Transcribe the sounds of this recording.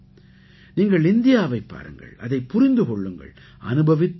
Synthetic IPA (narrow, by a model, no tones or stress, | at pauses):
niːŋɡɐɭɪnd̪ɪjaːʋɐɪpːa̰ːɾɯ̰ŋɡɐ̰ɭɐ̰ðɐɪpːʊɾɪnd̪ɯkɔɭːɯŋɡɐ̰ɭ | ʔɐnɯbɐʋɪt̪ː